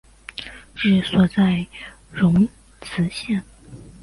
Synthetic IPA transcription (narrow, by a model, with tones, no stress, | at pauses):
ʈ͡ʂɻ̩˥˩swɔ˨˩t͡sa˥˩ɪ | ɻʊ˧˥ŋ | t͡sʰɹ̩˧˥ɕjɛ˥˩n